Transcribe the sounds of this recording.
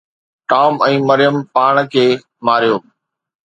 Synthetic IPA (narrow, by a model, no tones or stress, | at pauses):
ʈaːmɛ̃ːmɐɾɪjəmpaːɽ̃kʰeː | maːɾijoː